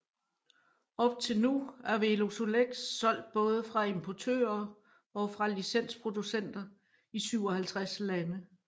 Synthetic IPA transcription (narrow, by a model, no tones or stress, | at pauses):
ɒ̽b̥̚t͡sʰe̝lnuæɐʋelo̝soleɡ̥sːɒ̽l̰d̥̚b̥ɔ̽ːð̞ˠəfʁɑ̈e̝mpʰɒt͡sʰø̰ːɐ | ɒ̽fʁɑ̈lisen̰spʰʁo̝d̥usen̰d̥ɐ | isyʊɒ̽hælt͡sʰʁaslænə